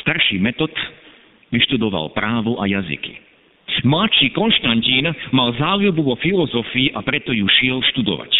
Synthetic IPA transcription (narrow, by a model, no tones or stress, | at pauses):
st̪aɾʃiːmɛt̪ɔt̪ | ʋiʃt̪ud̪ɔʋa̰lpɾaːʋuʔajazḭkḭ | mlat͡ʃiːkɔnʃt̪anciːnmalzaːljubuʋɔfilɔzɔfiːʔapɾɛt̪ɔjuʃɪɛlʃt̪ud̪ɔ̰ʋa̰c